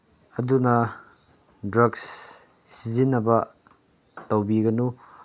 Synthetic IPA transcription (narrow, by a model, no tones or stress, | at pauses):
ɐdunɐ | dɾɐɡs | sizinːɐbɐ | tɐwbiɡɐnu